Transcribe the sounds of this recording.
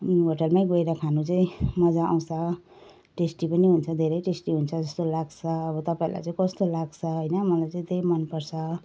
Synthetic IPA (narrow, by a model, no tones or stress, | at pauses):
ɦoʈʌlmaĩɡoeɾakʰanut͡saĩmʌd͡zaa̰w̃t͡sʰʌ | ʈesʈipʌniɦunt͡sʰʌd̪ʱeɾʌjʈesʈiɦunt͡sʰʌd͡zʌst̪olaɡt͡sʰʌːbʌt̪ʌpaĩla̰jt͡saĩkʌst̪olaɡt͡sʰʌɦʌjnʌmʌlajt͡saĩd̪emʌnpʌrt͡sʰʌ